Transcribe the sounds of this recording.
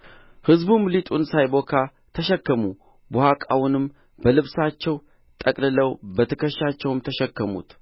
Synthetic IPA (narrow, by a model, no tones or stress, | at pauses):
hɨzbumlit̪ʼunsajbokʰa | t̪ʰəʃɛkːəmu | bohakʼawʊnɨm | bəlɨβsat͡ʃːɛw | t̪ʼəkʼlɨləwbət̪ʰəkəʃːat͡ʃːɛwɨmt̪ʰəʃɛkːəmṵt̪